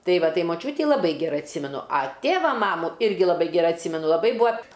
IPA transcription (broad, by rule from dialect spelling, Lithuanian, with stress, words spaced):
ˈtɐɪ ˈʋɐ ˈtɐɪ moːˈt͡ʃʲuːtʲiː lˠɐˈbɐɪ ɡʲɛˈrɐɪ ɐtʲˈsʲiːmʲɛnʊ ɐ ˈtʲeːʋɐ ˈmɑːmuː ˈɪrʲɡʲɪ lˠɐˈbɐɪ ɡʲɛˈrɐɪ ɐtʲˈsʲiːmʲɛnʊ lˠɐˈbɐɪ ˈbuːɐ